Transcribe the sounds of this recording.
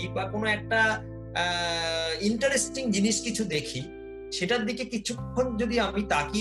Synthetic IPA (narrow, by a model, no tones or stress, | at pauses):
ibakonoɛk̚ʈa | iɳʈaɾesʈiŋd͡ʑiniʃkit͡ɕʰud̪ekʰi | ʃeʈaɾd̪ikekit͡ɕʰukʰond͡ʑod̪iamit̪aki